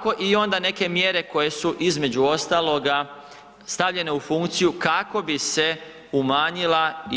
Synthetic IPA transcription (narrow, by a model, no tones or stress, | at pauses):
ko̞ʔio̞nd̪ane̞ke̞mje̞ɾe̞ko̞je̞suʔizme̞d͡ʒuo̞st̪alˠo̞ɡa | st̪aʋʎe̞ne̞ufuŋkt̪sijukako̞bise̞ | umaːɲila